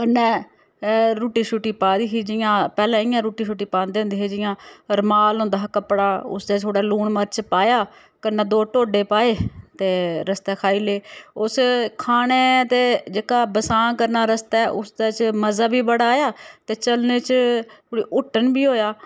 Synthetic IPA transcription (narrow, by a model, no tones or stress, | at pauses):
ənɛ̃ː | ɾuːʈiːʃuːʈiːpaːd̪iːɦiːd͡ʒɪjãːpɛːlɛ̃ːɪjãːɾuːʈiːʃuːʈiːpãːnd̪eːʊ̃nd̪eːɦeːd͡ʒɪjãːɾmaːlʊ̃ːnd̪aːkəpːɽaːʊ̰sd̪eːt̪ʰoːɽaːluːɳməɾt͡ʃpaːjaː | kəɾnɛ̃ːd̪oːʈoːɖeːpaːeːt̪eːɾəst̪ɛːkʰaːiːleːʊskʰaːɽ̃eːt̪eːd͡ʒeːkaːbəsãːkəɾnaːɾəst̪ɛːʔʊsd̪eːt͡ʃməzaːbiːbəɽaːjaːt̪eːt͡ʃəlneːt͡ʃːɽiːʔʊʈːənbiːɦoːjaː